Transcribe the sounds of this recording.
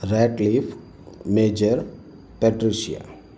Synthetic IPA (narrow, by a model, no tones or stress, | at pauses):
ɾɛːʈliːf | meːd͡ʒəɾ | pɛʈɾiʃia̰